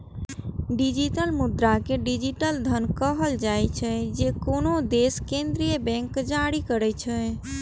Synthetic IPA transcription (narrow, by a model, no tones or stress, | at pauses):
ɖid͡ʒiʈəlmud̪ɾakeɖid͡ʒiʈəld̪ʱənkəɦəld͡ʒajt͡ʃʰɛd͡ʒekonod̪eskẽnd̪ɾijəbɛ̃ŋkːd͡ʒaɽikəɾɛt͡ʃʰɛ